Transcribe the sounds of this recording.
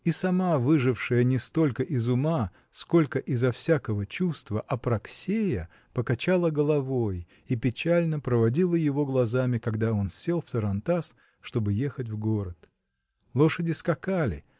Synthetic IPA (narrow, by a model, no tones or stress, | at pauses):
isɐmavɨʐɨfʂɨjənʲɪst̪o̞lʲkəʔɪzʊma | sko̞lʲkəʔɪzɐfsʲakəvət͡ɕust̪vəʔɐpɾɐksʲejə | pəkɐt͡ɕalˠəɡəlˠɐvo̞j | ipʲɪt͡ɕalʲnəpɾəvɐdʲilˠəjɪvo̞ɡlˠɐzamʲɪkɐɡd̪ao̞nsʲːelˠft̪əɾɐnt̪as | ʂt̪o̞bɨje̞xət̬ʲvɡo̞ɾət̪ | lˠo̞ʂədʲɪskɐkalʲɪ̰